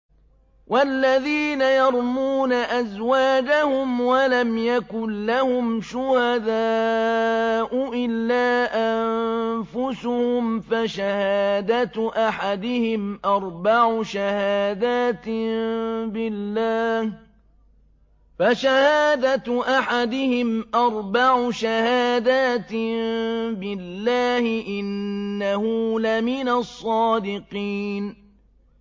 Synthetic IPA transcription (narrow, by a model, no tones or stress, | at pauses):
wʔalːaðiːnajɑɾˤmuːnaʔazwaːd͡ʒahʊmwalamjakʊnːahʊmʃʊhad̪aː | ʔʊʔɪlːaːʔanfʊsʊhʊmfaʃahaaːd̪at̪ʔaħad̪ɪhɪmʔɑɾˤbaʕʊʃahaːd̪aːt̪ | bɪlːaːh | faʃahaːd̪at̪ʔaħad̪ɪhɪmʔɑɾˤbaʕʊʃahaːd̪aːt̪ | bɪlːaːhɪʔɪnːahʊlamɪnasˤːɑːd̪ɪqiːn